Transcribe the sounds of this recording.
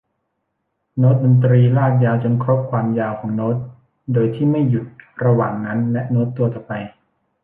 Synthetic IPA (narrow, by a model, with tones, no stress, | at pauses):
no˦˥t̪̚do˧nt̪ɾiː˧laː˥˩k̚jaː˧wt͡ɕo˧nkʰɾo˦˥p̚kʰwaː˧mjaː˧wkʰɔː˩˦ŋnoː˦˥t̪̚ | doː˧jt̪ʰiː˥˩ma˥˩jːu˨˩t̪̚ɾa˧waː˨˩ŋna˦˥nlɛ˦˥ʔnoː˦˥t̪ːu˧ɐt̪ɔː˨˩pa˧j